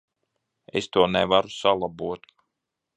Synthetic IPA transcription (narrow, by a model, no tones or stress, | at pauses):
ḛst̪uɔnɛvaɾusalˠabuɔt̪